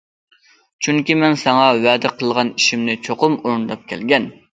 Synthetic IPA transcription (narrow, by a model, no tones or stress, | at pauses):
t͡ʃʰyŋkʲimɛnsɑŋɑwɛd̪ɪqʰəlˠʁɑniʃimnɪt͡ʃʰoqʊmuɾund̪ɑp̚kʲʰɛ̰lɡʲɛn